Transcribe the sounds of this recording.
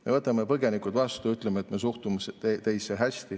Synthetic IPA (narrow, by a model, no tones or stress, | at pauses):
me̞vɤt̪ːˑɑmepɤɡe̞nikut̪vɑst̪uyt̪ˑlemeet̪me̞suht̪umeset̪e̞jsːeɦæsʲt̪i